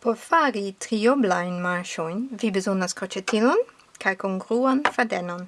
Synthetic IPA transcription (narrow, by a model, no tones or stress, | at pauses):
pɔfaːɾitʁioblajnmaʃojnvibəzonaskɔt͡ʃetʰilon | kʰajkunɡʁuanfɛdɛnon